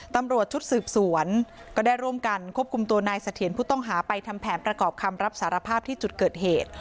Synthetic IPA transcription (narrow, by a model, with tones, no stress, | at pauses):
t̪a˧mɾu˨˩ət̪̚t͡ɕʰu˦˥t̪̚sɯː˨˩p̚su˩˦ənkɔː˥˩daː˥˩jɾu˥˩əmka˧nkʰu˥˩əp̚kʰu˧mt̪u˧ɐnaː˧jsa˧t̪ʰi˩ənpʰuː˥˩t̪ɔ˥˩ŋɦaː˩˦pa˧jt̪ʰa˧mpʰɛː˩˦npɾa˧kɔː˨˩p̚kʰa˧mɾa˦˥p̚saː˩˦ɾa˧pʰaː˥˩p̚t̪ʰiː˥˩t͡ɕu˨˩t̪̚kɤː˨˩t̪̚heː˨˩t̪̚